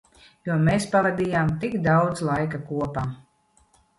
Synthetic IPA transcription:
juɔmeːspavad̪ʲijaːmt̪ikd̪awd̪zlˠajkakuɔpaːm

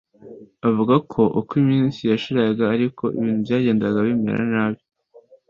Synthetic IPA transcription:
avuɡakʰo̞ʔukwimiːnsijaʃiɾaɡaːɾikʰo̞ḭβiːn̥hubɟaːɟe̞ːndaɡaβimḛɾa̰naːβjo

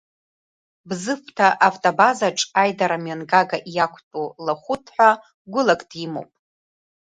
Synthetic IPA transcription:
bzɨftʰaʔaftʼobazaʈ͡ʂʼajdaɾamɥanɡaɡaʔijakʷʰtʼulaχʷʊtʰħʷa | ɡʷʊlakʼd̥imowpʼ

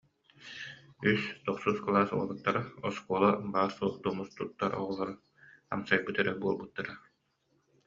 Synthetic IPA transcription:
yst̪ɔqsusklˠaːsṵɔlˠɯkt̪ːaɾaɔskuɔlˠabaːɾsuɔχd̪umust̪ut̪ːaɾɔ̰ʁɔlˠɔɾa | a̰msajbɯt̪ɛɾɛbuɔlˠbut̪ːaɾa

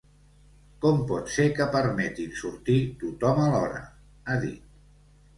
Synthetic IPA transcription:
kɔmpɔt̪sekəpəɾmɛt̪insuɾt̪it̪ut̪ɔməlɔɾə̰ | aðḭt̪̚

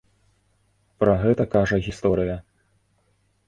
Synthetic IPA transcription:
pɾɐɣɛt̪ɐkaʐɐɣʲist̪ɔɾɨjɐ

